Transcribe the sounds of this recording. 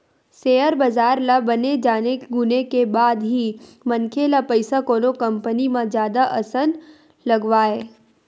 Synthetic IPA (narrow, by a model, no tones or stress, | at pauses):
seːəɾbɐzaːɾlabɐned͡ʒaːneɡʊnekebaːd̪ɦimɐnkʰelapəɪsakoːnokɐ̃mpənimãd͡ʒjaːd̪aʔɐsən | lɐɡʋaːeː